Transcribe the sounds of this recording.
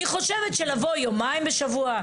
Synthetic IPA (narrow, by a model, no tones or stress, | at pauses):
iχo̞ʃevetʃelavojomaimbeʃavua